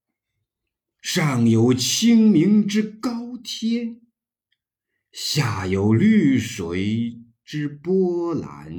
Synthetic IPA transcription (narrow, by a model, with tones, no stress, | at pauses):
ʂɑ˥˩ŋjo˧˥ʊt͡ɕʰi˥ŋmi˧˥ŋʈ͡ʂɻ̩˥kɑ˥ʊt̪ʰjɛ˥n | ɕja˥˩jo˧˥ʊly˥˩ʂwe˧˥ɪ | ʈ͡ʂɻ̩˥pwɔ˥la̰˧˥n